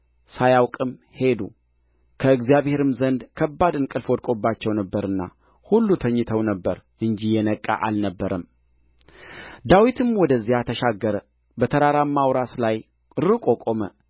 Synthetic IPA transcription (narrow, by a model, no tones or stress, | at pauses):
sajawkʼɨm | he̞d̪ṵ | kʰəɨɡzijaβhe̞ɾɨmzənd̪kʰəbːad̪ɨnkʼɨlfod̪̚kʼo̞bːat͡ʃːɛwnəbːəɾɨnːa̰ | hulːut̪ʰəɲːɨt̪ʰəwnəbːəɾʔɨnd͡ʒijɛnəkʼːa̰ʔalnəbːəɾəm | d̪awit̪ʰɨmwɔd̪əzːijat̪ʰəʃaɡːəɾə | bət̪ʰəɾaɾamːawɾaslaj | ɨɾɨkʼo̞kʼomə